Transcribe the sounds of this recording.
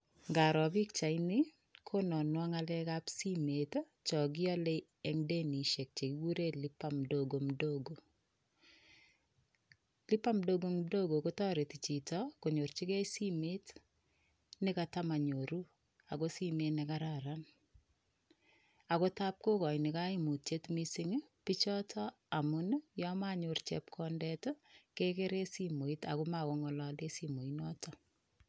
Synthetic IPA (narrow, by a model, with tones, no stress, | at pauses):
ŋɡa˨ɾɔ˨bi˦k̚t͡ʃa˨inɪ˦ | kʰo˦nɔ˨nwɔ˦ŋa˦lɛkapsi˦met | t͡ʃɔ˨ɡ̬ɪ˦ɔ˦le | e˦ŋde˦ni˨ʃe˨k̚t͡ʃe˨ki˦ɡu˦ɾe˦li˦pamdoɡo˨mdoɡo˨ | li˦pa˦mdo˦ɡo˦mdo˦ɡo˨ko˦tɔ˦ɾe˨ti˨t͡ʃi˨tɔko˨ɲo˨ɾt͡ʃi˦kɛ˦si˦me˦t | nɪkata˦ma˨ɲoɾu˦ | a˨kosi˦menekaɾaɾan | a˨ko˦tap̚ko˦kɔ˨jnɪka˦i˦mu˨tje˦tmisi˦ŋpit͡ʃɔ˦tʰɔ | a˨mʊn˦jɔmaɲort͡ʃḛp̚kʰɔndɛtokeke˦ɾe˦simo˨ita̰ku˦ma˨ko˦ŋɔ˨lɔ˦le˦simo˨inɔ˦tɔ